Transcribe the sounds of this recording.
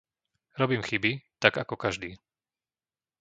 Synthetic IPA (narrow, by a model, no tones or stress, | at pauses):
ɾɔbiːmxibit̪aɡakɔkaʒd̪iː